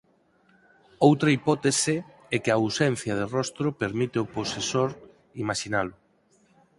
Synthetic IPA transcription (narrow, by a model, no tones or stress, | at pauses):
owt̪ɾɐipɔt̪esɪ | ɛkɪawsɛn̟θjɐð̞ɪrɔst̪ɾʊpeɾmit̪eʊposesoɾ | imaʃinalʊ